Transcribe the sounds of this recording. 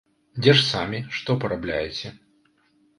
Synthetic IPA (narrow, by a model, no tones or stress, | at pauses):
d͡zʲɛʂsamʲiʂt̪ɔpɐɾablʲa̰jet͡sʲɛ